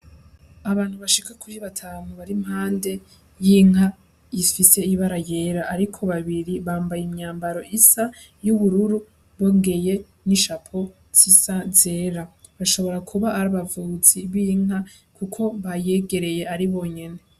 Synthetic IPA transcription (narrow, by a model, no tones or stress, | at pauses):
aβaːn̥huβaʃikakuɾiβatʰanuβaɾimhaːnde̞ | jiŋ̥ɦa | ifise̞iβaɾaje̞ːɾaʔːɾikʰo̞βaβiɾiβaːmbajemɲaːmbaɾo̞ʔisa | juβuɾuɾu | βoŋɡe̞je̞ | niʃapʰo̞ | z̥isaze̞ːɾa | βaʃo̞βo̞ɾakʰuβaːɾaβavuːziβiŋa | kukʰo̞βaje̞ɡe̞ɾe̞je̞aɾiβo̞ːɲe̞ne̞